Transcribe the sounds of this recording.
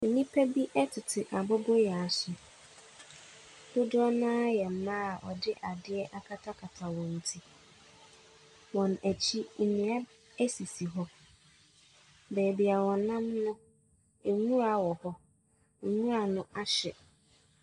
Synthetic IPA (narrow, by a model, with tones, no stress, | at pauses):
n̩˨nĩ˦pʰæ˦bi˦ʔɛ˦tʰɪ˨tʰɪ˨ʔa˨bɔ˦bɔ˦ja˨a˨sʊ˨ | d̥ʊ˦dʊ˦ɔ˦nãː˦jɛ˨m̩˨mã˦a˨ʔɔ˨dɪ˦ʔa˨dɪ˦ɛ˦ʔa˨kʰa˦tʰa˦kʰa˨tʰa˨wɔ̃˨n̩˨tʰi˦ | wɔ̃˨næ˨t͡ɕʰi˦n̩˨nĩ˨a˦ | æ˦si˨si˨ɦɔ˦ | bɛː˨bi˨a˨wɔ̃˨nã˦mnʊ̃˦˨ | ŋũ˦ɾa˨wɔ˨hɔ˦˨ | ŋũ˦ɾa˨nʊ̃˦ʔa˦ɕɛ˨